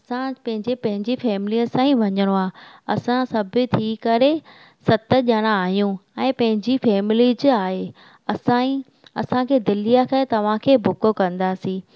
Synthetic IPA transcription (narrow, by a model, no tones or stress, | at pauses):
ɐsãpɐ̃ɦɪ̃ɲd͡ʑepɐ̃ɦɪ̃ɲd͡ʑifɛːmɪliəsãːĩʋɐɲəɽ̃oaːɐsãsɐbʱɪ̆t̪ʰiːkɐɾe | sɐt̪ə̆ʄəɽ̃aaːɦijũɛ̃ːpɐ̃ɦɪ̃ɲd͡ʑifɛːmɪlid͡ʑɪaːɦe | ɐsãi | ɐsãkʰeːd̪ɪlijakɐet̪ɐʋ̤ãkʰeːbʱʊkokɐ̃nd̪aːsĩː